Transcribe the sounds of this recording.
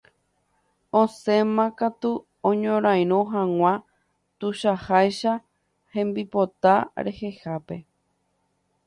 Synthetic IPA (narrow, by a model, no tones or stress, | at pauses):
õsẽ̞mãkat̪u | õɲõɾ̃ãj̃ɾ̃õɦãŋ̃ʷã | t̪uʃahajʃa | hẽ̞mbipot̪aɾḛhe̞hape̞